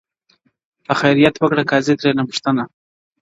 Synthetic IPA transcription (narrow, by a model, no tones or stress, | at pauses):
axajɾijat̪wəkɽakɑzet̪ɾenapʊ̥ʂt̪əna